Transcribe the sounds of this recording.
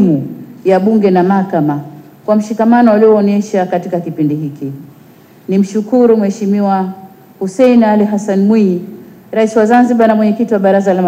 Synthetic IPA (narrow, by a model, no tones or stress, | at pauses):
mujaɓuŋɡɛnamahakama | kwam̩ʃikamanɔaliɔːnɛʃakatikakipindihiki | nim̩ʃukuɾumwɛʃimiwa | husɛinaliɦasanmwi | ɾaisiwazanziɓanamwɛɲɛkitiwaɓaɾazalam